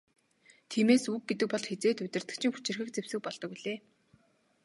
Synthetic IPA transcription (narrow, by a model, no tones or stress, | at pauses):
t̪ʰiːmeːsuk̚ɡet̪̬ɘ̆k̚pɔɮxet͡seːt̪ʊt̪ʲɪ̆r̥t̪ɘ̆k̚t͡ɕʰɪ̆ŋxu̥t͡ɕɪ̆rxɘ̆k̚t͡sewsɘ̆k̚pɔɮt̪ɞ̆kuɮeː